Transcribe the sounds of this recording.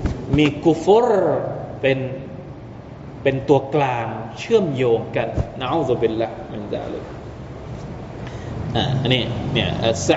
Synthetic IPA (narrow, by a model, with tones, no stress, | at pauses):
miː˧ku˦fu˦˥ɾpe˧n | pe˧nt̪u˧ɐklaː˧ŋt͡ɕʰɯ˥˩əmjoː˧ŋka˧˩nna˧ʔa˦˥˦zu˧bi˧lːaː˦˥hma˨nza̰ː˧˩lḛ˧˩k | ʔa̰ː˨˩ʔa˧nːiː˦˥˩ni˧˩əʔa̰˧˩sa˦